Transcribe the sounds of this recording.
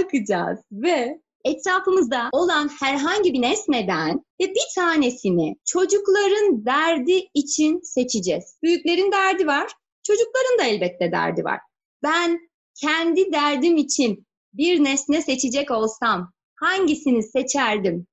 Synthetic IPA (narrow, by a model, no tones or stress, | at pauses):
akʰɯd͡ʒa̰ːz̥vɛ | ɛt̪ʰɾaːfɯmɯzd̪ao̞lˠanhæɾɦaɲɟibinɛsnɛd̪ænvɛbit̪ʰaːne̞sinɪt͡ʃʰo̞d͡ʒuklˠaɾɯnd̪æɾd̪iːt͡ʃʰinse̞t͡ʃʰid͡ʒɛz̥b̥yjyclʲe̞ɾind̪æɾd̪ivaɾ̥ | t͡ʃʰo̞d͡ʒuklˠaɾɯnd̪aɛlʲbɛt̪ʰːɛd̪æ̰ɾd̪ḭva̰ɾ̥ | b̥æn | cʰɛnd̪id̪æɾd̪imit͡ʃʰin | biɾnɛsnɛse̞t͡ʃʰid͡ʒɛco̞lˠsam | haɲɟisinise̞t͡ʃʰæɾd̪im